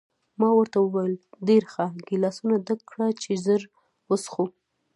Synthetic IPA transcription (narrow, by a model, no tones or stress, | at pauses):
mɑwəɾt̪awəwajəlɖeɾxaɡɪlɑsunad̪akːɽat͡ʃezəɾ | wəsxu